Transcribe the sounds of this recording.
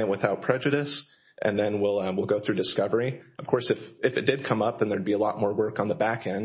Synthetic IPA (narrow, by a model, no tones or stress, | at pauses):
ɨʔwəθaʊt̚pʰɹ̥ɛd͡ʒɨɾɨs | ʔɨ̰̃nðɨ̃nwɪlˠwilˠɡoʊθɹʉdɨskʌvə˞iʌv̥kʰɔɹsɨfɨfɨt̚d̥ɨd̚kʰʌ̃mʌp̚ðɨ̃nðə˞d̚biəlɔt̚mɔɹwɜ˞kn̩ðəbækʰɛ̃nd